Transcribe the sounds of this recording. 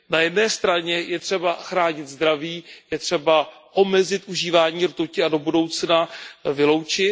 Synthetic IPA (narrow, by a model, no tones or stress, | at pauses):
najɛdnɛːst̪ɾaɲɛjɛt̪r̥ɛbaxɾaːɲɪt̪zd̪ɾaviːjɛt̪r̝̥ɛbaʔo̞mɛzɪt̪ʔuʒiːvaːɲiːɾt̪ucɪado̞budo̞wt͡snavɪlo̞wt͡ʃɪ